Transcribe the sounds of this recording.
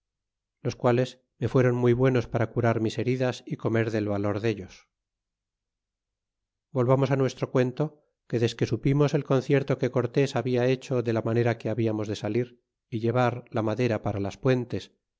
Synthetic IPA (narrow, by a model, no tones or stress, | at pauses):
lo̞skwale̞s | me̞fwe̞ɾo̞nmujβwe̞no̞spaɾakuɾaɾmise̞ɾiðasiko̞me̞ɾðe̞lβalo̞ɾðe̞ʎo̞s | bo̞lβamo̞sanwe̞st̪ɾo̞kwe̞nt̪o̞ | ke̞ðe̞ske̞supimo̞se̞lko̞n̟θje̞ɾt̪o̞ke̞ko̞ɾt̪e̞saβiae̞t͡ʃo̞ðe̞lamane̞ɾakeaβiamo̞zðe̞saliɾ | iʎe̞β̞aɾlamaðe̞ɾapaɾalaspwe̞nt̪e̞s